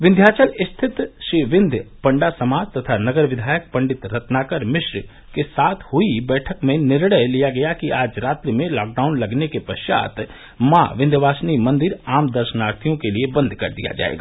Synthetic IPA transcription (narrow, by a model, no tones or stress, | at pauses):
ʋɪnd̪ʱjaːt͡ʃəlɪst̪ʰɪt̪ʃiʋɪ̃nd̪ʱpɐ̃ɳɖasɐmaːd͡ʒt̪ɐt̪ʰanɐɡəɾʋɪd̪ʱaːjək̚pɐ̃ɳɖɪt̪ɾɐt̪naːkəɾmɪʃɾ | kesaːt̪ʰhʊibɛːʈʰəkmẽnɪɾɽəjlijaɡɐjakiaːd͡ʒɾaːt̪ɾimẽlɔːk̚ɖaːʊnlɐɡnekepɐʃja̰ːt̪ | mã̰ːʋɪ̃nd̪ʱʋaːsnimɐ̃nd̪ɪɾaːmd̪ɐɾʃənaːɾt̪ʰijõkeliebɐ̃nd̪ʱkɐ̰ɾd̪ija̰d͡ʒa̰ːḛɡa̰ː